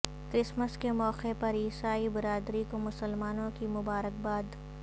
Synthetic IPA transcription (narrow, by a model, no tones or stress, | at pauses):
kɾɪsməskemɔːqepɐɾiːsaːibɪɾaːd̪ɾikomʊsəlmaːnõkimʊbaːɾək̚baːd̪